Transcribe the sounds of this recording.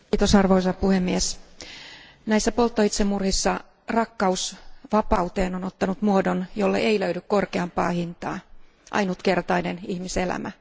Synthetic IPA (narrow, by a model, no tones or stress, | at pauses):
t̪osɑrʋoisɑpuhemːies | næisːæpolt̪ːoit̪semːurhisːɑ | rɑkːɑusʋɑpɑut̪eːnonot̪ːɑnut̪muodonjolːḛʔeiløydykkorkeɑmpɑ̰ːhint̪ɑ̰ː | ʔɑ̰inut̪ke̞rt̪ɑinenihmiselæ̰mæ̰